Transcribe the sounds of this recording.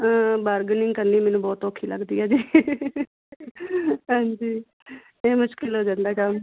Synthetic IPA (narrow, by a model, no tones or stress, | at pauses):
baːɾɡnɪŋɡkəɾniːmɛːnũːbɔːt̪oːkʰːiːlə̰ɡd̪iːɛːd͡ʒiː | ɦãːɲd͡ʒiː | eːmʊʃkɪlɦoːd͡ʒãːnd̪aːkəm